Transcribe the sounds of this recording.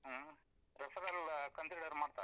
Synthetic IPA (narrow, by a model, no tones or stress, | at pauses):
ɾɐsɐɡɐlkɐnsɾiɖɐɾmaːɖt̪a̰